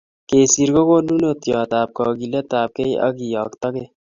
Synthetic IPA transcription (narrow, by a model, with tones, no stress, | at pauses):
keː˨si˨ɾko˦koː˦nu˦not̪jaː˨t̪aː˨p̚kɔː˨ɡile˦t̪aː˨p̚ke˦jʔɐ̰ɡijɑː˨kt̪ɐ˦ke